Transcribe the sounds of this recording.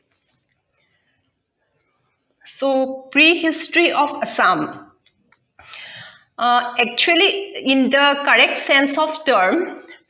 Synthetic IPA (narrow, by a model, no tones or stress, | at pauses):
sopɹihistɹiʔɔfəsãm | ɛk̚t͡ʃuəliĩndəkəɹɛk̚tsɛ̃nsɔftəɾm